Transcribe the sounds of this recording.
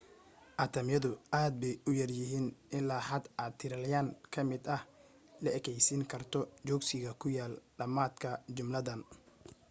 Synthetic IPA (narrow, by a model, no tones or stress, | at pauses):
ʔɐt̪ʰɐmjɐðʊʔaːd̪̚bɛjʊjɐrjɪɦiːnʔɪnlaħɐd̪ʔaːtt̪ʰːɪɾɐljaːŋkʰɐmɪd̪ɐh | lɐɛkʰɛjsɪŋkʰɐrt̪ʰɔt͡ʃɔːɡsɪɣɐkʰʊjaːlɖɐmaːd̪kʰɐt͡ʃʊmlɐðɐn